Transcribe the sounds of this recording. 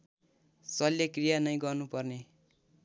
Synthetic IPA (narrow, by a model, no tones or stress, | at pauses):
sʌljekrijanʌj̃ɡʌrnupʌrne